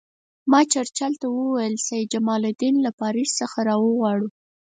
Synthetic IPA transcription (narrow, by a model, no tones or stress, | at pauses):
mɑt͡ʃaɾt͡ʃalt̪awəwajəlsajɪd̪̚d͡ʒamɑlʊd̪inlapɑɾissəxaɾɑwəɣwɑɽu